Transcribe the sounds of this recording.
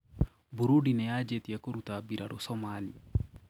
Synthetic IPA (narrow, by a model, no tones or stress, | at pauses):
buɾuɖinejaːd͡ʒet̪ijɐkuɾut̪aːbiɾɐɽusomaːli